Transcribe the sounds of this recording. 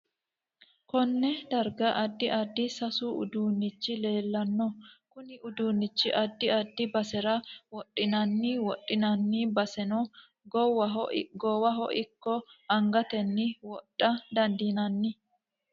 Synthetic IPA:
kɔnːɛd̪ɐɾɡɐʔɐd̪ːɪʔɐd̪ːɪsɐsuːʊ̰d̪uːnːɪt͡ʃːɪle̞ːlːɐnːɔkʊnɪʔʊd̪uːnːɪt͡ʃːɪʔɐd̪ːɪɐd̪ːɪbɐsɛɾɐwɔtʼːɪnɐnːiwɔʔʼɪnɐnːiːbɐsɛnɔ | ɡɔwɐɦɡɔwɐɦɔ̰ʔɪkːɔɐŋɡɐt̪ɛnːɪwɔtʼːɐd̪ɐnd̪iːnɐnːɪ

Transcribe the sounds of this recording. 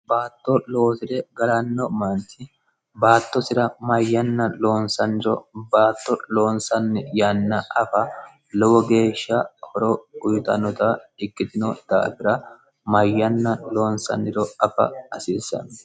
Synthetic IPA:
baːt̪ːɔlo̞ːsɪd̪ɛɡɐlɐnːɔmɐntːɪ | baːt̪ːɔsɪɾɐmɐjːɐnːɐlo̞ːnsɐnːɪɾɔ̰baːt̪ːɔlo̞ːnsɐnːɛjanːɐʔɐfɐ | lɔwɔɡe̞ːʃːɐhɔɾɔʊjʊt̪ɐ̰nːɔt̪ɐɪkːɪt̪ɪnɔd̪̥a̰ːfɪɾɐ | mɐjːɐnːɐloːnsɐ̰nːɪɾɔɐfɐ̰ɐsiːsːɐ̰nɔ

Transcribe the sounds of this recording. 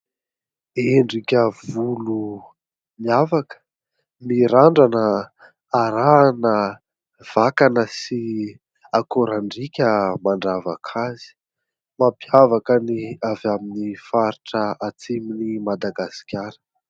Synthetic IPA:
eɳɖ͡ʐikʲəvulu | miavakə̥ | miɾaɳɖ͡ʐanəː | ɾaːnə | v̥akanəsi | akoɾaɳɖ͡ʐikʲəmaɳɖ͡ʐavakʰazi̥ | mapjavakəniavaminifaɾiʈ͡ʂəat͡siminimad̪aɡasi̥kʲaɾə̥

